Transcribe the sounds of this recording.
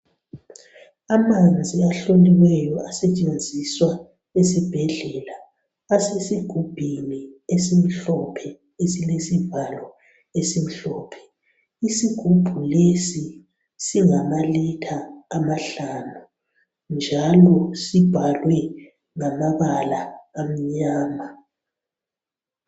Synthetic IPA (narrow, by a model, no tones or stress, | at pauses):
amand͡zʱiaɬoniwɛjɔasɛt͡ʃʼend͡zʱiswa | esib̥ʱɛɮɛːlaː | sesiɡ̥ʱub̥ʱiniesim̩ɬɔpʰɛ | esilesib̥ʱalɔ | esim̩ɬɔːpʰɛ̥ | isiɡ̥ʱub̥ʱulesi | siŋamalɛtʰaːmaɬanu | nd͡ʒʱalɔsib̥ʱalwɛ | ŋamaβalaːm̩ɲaːma